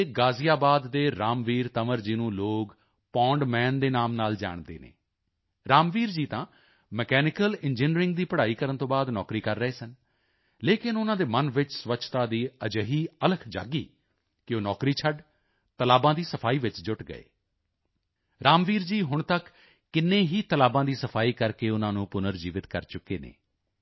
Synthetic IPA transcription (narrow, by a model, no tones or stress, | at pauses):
ɡaːzijaːbaːd̪ːeːɾaːmʋiːɾt̪əməɾd͡ʒiːnũːloːɡ | pɔ̃ːɳɖmɛ̃ːnd̪eːnaːmnaːld͡ʒa̰ːɳd̪ḛːnḛː | ɾaːmʋiːɾd͡ʒiːt̪ãː | mɛkɛːnɪkəlɪnd͡ʒɪnɾɪ̃ŋɡd̪iːpəɽaːiːkəɾənt̪õːbaːd̪nɔ̰ːkɾiːkəɾːəeːsən | leːkɪnʊnãːd̪eːmənʋɪt͡ʃsʋətːt͡ʃʰt̪ãːd̪iːəd͡ʒəɦiːələkʰd͡ʒa̰ːɡḭː | kɪoːnɔːkɾiːt͡ʃʰəɖ | t̪əlaːbãːd̪iːsəpʰaːiːʋɪt͡ʃd͡ʒʊʈɡə̰ḛː | ɾaːmʋiːɾd͡ʒiːɦʊɳt̪əkː | ɪnːẽːɦiːt̪əlaːbãːd̪iːsəpʰaːiːkəɾkeːʊnãːnũːpʊnəɾd͡ʒiːʋɪt̪kəɾt͡ʃʊkeːnḛː